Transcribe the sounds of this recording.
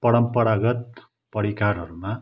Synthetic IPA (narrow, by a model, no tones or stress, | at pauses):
pʌɽʌmpʌɾaɡʌt̪̚ | pʌɾikaɾɦʌɾuma